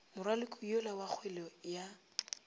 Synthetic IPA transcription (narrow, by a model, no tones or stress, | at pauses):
mʊrwalɪkʼʊjolawak͡xʰwɛlɔja